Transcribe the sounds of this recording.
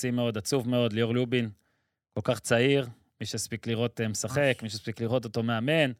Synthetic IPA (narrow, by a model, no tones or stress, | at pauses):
simeo̞d̪at͡suvme̞o̞d̪lejoʁlubin | ko̞lkaχt͡saiʁ | miʃeaspikliʁo̞t̪emesaχe̞kmiʃeaspikliʁo̞t̪o̞t̪o̞me̞ame̞n